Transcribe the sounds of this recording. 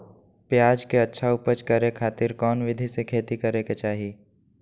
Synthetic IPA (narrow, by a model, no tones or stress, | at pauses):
pjaːd͡ʒkeɐtːʃʰaʊpət͡ʃkəɾekʰaːt̪ɪɾkɔːnʋɪd̪ʱisekʰeːt̪ikɐɾeket͡ʃaːɦi